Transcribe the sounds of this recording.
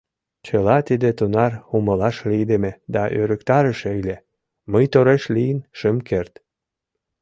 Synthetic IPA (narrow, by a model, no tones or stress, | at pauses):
t͡ɕəlɑt̪id̪et̪unɑruməlɑʃlijd̪emed̪ɑʔøɾə̆kt̪ɑɾəʃejlʲe | məjt̪oɾeʃlijənʃəmkert̪